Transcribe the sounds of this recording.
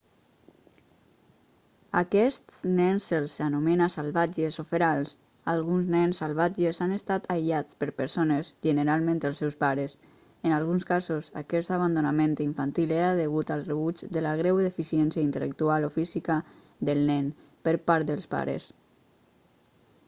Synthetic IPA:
akɛst̪snɛnselˠsanumenasalˠβad͡ʒezofeɾalˠs | alˠɣunznɛnsəlˠβad͡ʒezanest̪at̪ajʎat͡spəɾpəɾsonəzʒənəɾalˠmẽnt̪əlˠsɛwspaɾəs | ənalˠɣunskazosa̰kɛst̪aβand̪unamẽnt̪iɱfant̪ileɾaðəɣut̪alˠrəβud͡ʒd̪əlaɣ̞ɾɛwðefisiɛnsjaint̪ələ̰k̚t̪ualofizika | d̪əlˠnɛn | pəɾpaɾt̪d̪əlˠspa̰ɾə̰s

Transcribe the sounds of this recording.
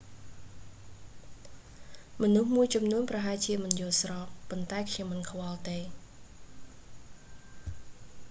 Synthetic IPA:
mɔnuhmuəjt͡ɕɑmnuənprɑɦaɛjt͡ɕiəmɨnjʊəlsrɑːppːont̪aɛkʰɲomːɨnkʰwɑlt̪eː

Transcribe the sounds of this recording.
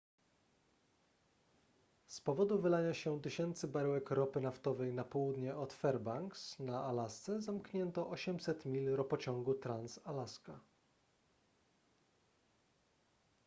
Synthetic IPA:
spɔvɔd̪uvɘlaɲaɕɛt̪ɘɕɛnt̪sɘbaɾwɛkɾɔpɘnaft̪ɔvɛjnapɔwud̪ɲɛʔɔt̪fɛɾbaŋksnaʔalast̪sɛzamkɲɛnt̪ɔʔɔɕɛmsɛt̪mʲilɾɔpɔt͡ɕɔ̃ŋɡut̪ɾansalaska

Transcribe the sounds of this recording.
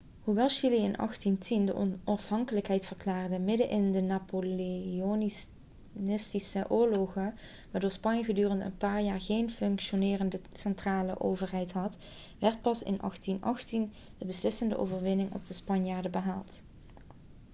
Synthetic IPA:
ɦuʋɛlˠʃiliɪnʔɑ̰xtintʰində̰ʔɔ̰nɑfɦɑŋkələkɦɛjtfərklaːrdəmɪdəʔɪndənaːpolon | nɪstisəʔʊːɹloχə | ʋaːɹdoːɹspɑɲjəɣədyːrəntə̰npaːɹjaːɹɣejnfɵŋkʃonɪːrəndəsɛntraːlə̰ʔo̰wvəɹɦɛjtɦɑt | ʋɛɹt̚pɑsɪ̰nɑ̰xtinɑ̰xtin | dəbəslɪsəndə̰ʔo̰wvəɹʋɪnɪŋɔ̰b̚dəspɑnjaːɹdəbəɦaːlˠt

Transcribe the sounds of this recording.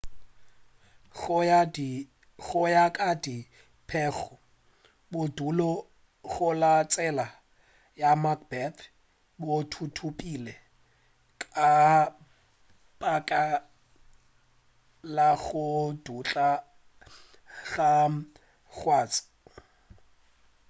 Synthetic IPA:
ɣʊjakʼadi | pʰɛχɔ | bʊdulɔ | ɣʊlat͡sʼɛla | jamak̚bɛt̪ʰ | botʰutʰupʼilɛ | kʼa | pʼakʼa | laɣʊdut͡ɬʼa | ɣa | ɣwaːt͡sʼɪ̥

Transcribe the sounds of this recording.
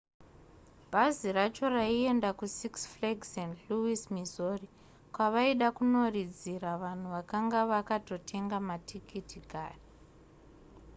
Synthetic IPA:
bʱazirat͡ʃo̞raie̞ndakusiksfleɡsendluwismizori | kwaʋaiɗakuno̞rid͡ziɾaʋan̤uʋakaŋɡaʋakato̞tʰe̞ŋɡamatʰikʰitʰikaːre

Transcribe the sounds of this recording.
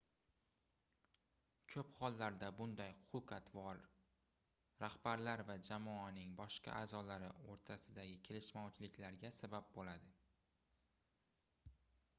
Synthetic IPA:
kʲʰɵpχɒlˠːaɾd̪abʊnd̪ajʊʊqat̪vɒɾ | ɾahbaɾlaɾvad͡ʒamɒanɪŋbɒʃqʰɑ̰ʔaːzɒlaɾɪoɾt̪ʰasɪd̪aɡʲɪkʲʰe̞lɪʃmɒwt͡ʃʰɪlɪkʲlaɾɡʲasabap̚bolad̪ɪ

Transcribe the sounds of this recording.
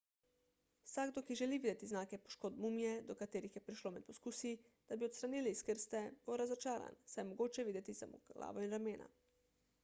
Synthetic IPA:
saɡd̪okiʒɛliʋiːd̪ɛt̪iznaːkɛpo̥ʃkoːd̪mumijɛd̪ɔkat̪eːɾixjɛpɾiʃloːmɛt̪̚poskuːsi | d̪̥abiot̪st̪ɾaniliskəɾst̪ɛbowɾazot͡ʃaːɾa̰nsajmɔɡoːt͡ʃɛʋiːd̪ɛt̪isamo̰ɡla̰ːʋoinɾameːna̰

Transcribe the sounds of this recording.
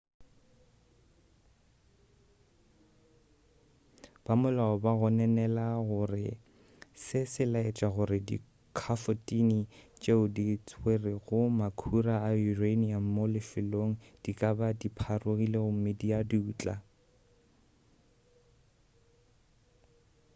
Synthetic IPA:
b̥amʊlaɔbaɣɔnɛnɛlaɣʊrɪ | sɪsɪlaɪt͡ʃʼaɣʊɾɪdḭ | kʰafotʼinit͡ʃʼeʊdit͡sʰʼwerɪɣʊmakʰuraːurenianmolɪfɪloŋ̩d̥ikʼabadipʰaroɣileɣʊm̩mɪdiadiuːt͡ɬʼa̰

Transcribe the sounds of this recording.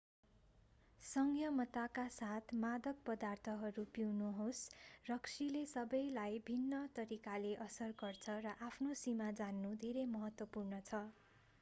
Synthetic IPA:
sʌŋɡjʌmʌt̪akasat̪ʰmad̪ʌk̚pʌd̪art̪ʰʌɦʌɾupiwnuɦosrʌksilesʌbʌjlajbʱinːʌt̪ʌɾikaleʔʌsʌrɡʌrt͡sʰʌrʌʔapʰnosimad͡zanːud̪ʱeɾemʌɦʌt̪wʌpurnʌt͡sʰʌ

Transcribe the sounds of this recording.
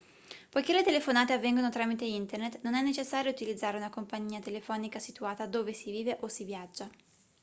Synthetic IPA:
pojkelːet̪elefonaːt̪eavːɛŋɡonot̪ɾaːmit̪eint̪ernet̪nonɛnːet͡ʃesːaːɾjout̪ilid̪zːaːɾeunakompaɲːiːat̪elefɔːnikasit̪uaːt̪ad̪oːvesiviːveʔosivjad͡ʒːa

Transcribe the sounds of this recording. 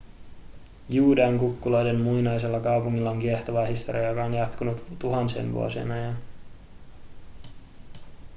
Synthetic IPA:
juːdeɑŋkukːulojde̞nmujnɑjse̞lːɑkɑwpuŋːilːɑoŋkieht̪oʋɑːhist̪oɾiɑjokɑonjɑt̪kunut̪t̪uɦɑnsḛːnʋṵo̰siḛnɑjɑn

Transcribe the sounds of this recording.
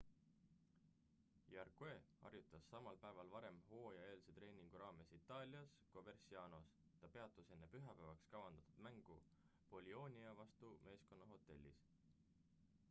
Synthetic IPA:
jɑrkue̞ːɑ̰rjut̪ːˑɑsːɑmɑlpæevɑlvɑɾe̞mho̞ːjɑe̞ːlset̪re̞ːnʲiŋɡ̥uɾɑːme̞sit̪ːˑɑːlʲiɑsko̞ve̞rsiɑːno̞s | t̪ɑpe̞ɑt̪ːˑuse̞nːe̞pyɦɑpævɑkskɑwɑnd̪̥ɑ̥t̪ːud̪̥mæŋɡ̥u | po̞lʲio̞ːnʲiɑvɑst̪umʔe̞ːsko̞nːɑɦo̞t̪ˑe̞̰lʲːḭs

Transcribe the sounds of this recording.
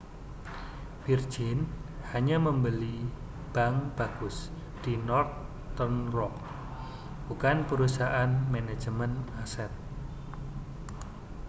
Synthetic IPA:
fir̥d͡ʒɪnhaɲaməmbəli | b̥aŋb̥aɡ̥ʊs | d̥inɔrt̪ | ənrɔk | b̥ukanpəɾusaʔanmene̥d͡ʒəmənasɛt̪̚

